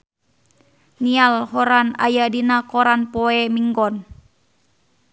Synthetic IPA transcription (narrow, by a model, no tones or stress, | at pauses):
nialɦɔɾana̰jadinakɔɾanpɔɛmiŋɡɔn